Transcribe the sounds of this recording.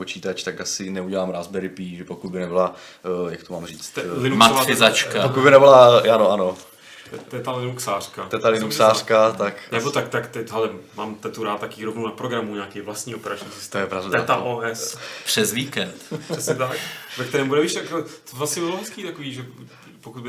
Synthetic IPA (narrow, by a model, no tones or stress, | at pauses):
pot͡ʃiːt̪at͡ʃt̪akasɪnɛuɟɛlaːmɾaːzbɛɾɪpiːʒɛpokud̪̚bɪnɛbɪla | jakt̪omaːmriːt͡st̪lɪnumat̪afɪzat͡ʃkapokud̪bɪnɛbɪlaanoʔano̞ | ɛt̪alɪnuksaːr̥kat̪ɛt̪alɪnuksaːr̥kat̪akʔnɛbot̪akt̪akt̪ɛcɦɛlɛmaːmt̪ɛt̪uɾaːt̪ːakiːɾovnownapɾoɡɾamuɲaːkɛːvlast̪ɲiːopɛɾat͡ʃɲiːsɪst̪ojɛpɾavd̪ɛt̪aʔoːɛspr̥ɛzviːkɛnt̪ɾ̥ɛsɲɛt̪akvɛk̚t̪ɛɾɛːmbudɛviːʃt̪akɛlt̪obvlasɲɛbɪbɪloɦɛskiːt̪akoviːʒɛ | pokud̪bɪ